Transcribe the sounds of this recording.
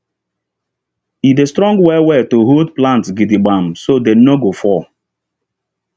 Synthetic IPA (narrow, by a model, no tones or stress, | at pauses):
idestɾɔ̃ŋɡwɛwɛtoɦodplãntsɡidiɡ͡bãmsodenoɡofɔ